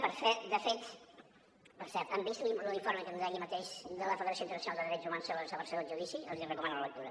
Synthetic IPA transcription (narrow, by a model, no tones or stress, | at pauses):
pəɾfɛd̪əfet̪ | pəɾsɛɾt̪əmbist̪liəliɱfoɾməkənzɛɣimət̪eʃd̪ələfəðəɾəsont̪əɾnəsunadəðəɾɛd͡ʒzumansoəsəpəɾsɛwəʒuðisiəlˠziərəkumanələləkt̪uɾə